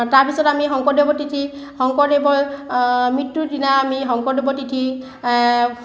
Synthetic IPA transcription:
taɹbisɔɾamiɦɔŋkɔdebɔtitʰĩ | hɔŋkɔdebɔ | mitːudinaːmiɦɔŋkɔdebɔtitʰĩ

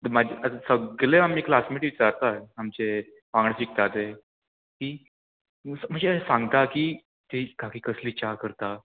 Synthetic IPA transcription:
t̪əmad͡ʑeəəsəɡɡɭeamiklasmiʈiʋit͡saɾt̪aamt͡se | pãŋɡɳəsik̚t̪at̪e | kiː | səm̤əɳd͡zesãŋɡt̪akiː | t̪ekakiːkəsliːt͡ɕakəɾt̪a

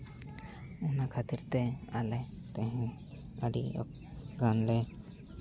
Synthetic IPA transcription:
ɔnakʰat̪iɾt̪ɛalɛ | t̪ɛ̃ɦɛ̃ | əɖḭɔ̰k | ɡanlɛ

